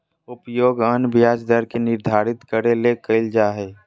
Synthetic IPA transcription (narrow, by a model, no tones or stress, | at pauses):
ʊpjoːɡənbjaːd͡ʒd̪əɾkenɪɾd̪ʱaːɾɪt̪kəɾelekəɪld͡ʒaːɦeː